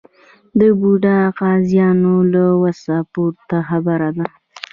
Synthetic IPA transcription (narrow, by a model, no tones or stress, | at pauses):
d̪əbuɖaqɑzjɑnolawasapoɾt̪axabaɾad̪a